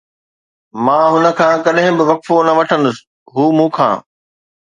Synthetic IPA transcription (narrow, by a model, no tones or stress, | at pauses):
mãːɦʊnə̆kʰãːkɐɗɦɪ̃bɪʋɐkfonɐʋɐʈʰə̃nd̪ʊsɪ̥̆ | ɦuːmũːkʰã̰ː